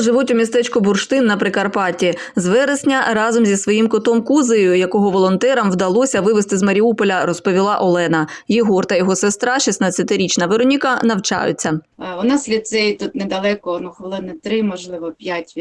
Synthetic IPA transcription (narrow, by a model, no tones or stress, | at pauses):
ʒɪʋutʲʊmʲist̪ɛt͡ʃkʊbʊrʃt̪ɪnːɐpɾɪkɐrpɑtʲi | zʋɛɾesʲnʲɐɾɑzɔmzʲisʋɔjimkɔt̪ɔmkuzɪjʊjɐkɔɦɔʋɔlˠɔnt̪ɛɾɐmwd̪ɐlˠɔsʲɐʋɪʋest̪ɪzmɐɾʲiupɔlʲɐɾɔspɔʋʲilˠɑʔɔlˠɛnɐjeɦɔrt̪ɐjɔɦɔsest̪ɾɑʃisnɐt͡sʲːɐt̪ɪɾʲit͡ʃnɐʋeɾɔnʲikɐnɐwt͡ʃɑ̰jʊ̰t͡sʲːɐɔnɑsʲlʲisɛjt̪ut̪nɛd̪ɐlˠɛkɔnuxɔlˠɪd̪nɐt̪ɾɪmɔʒlˠɪʋɔpʲjatʲ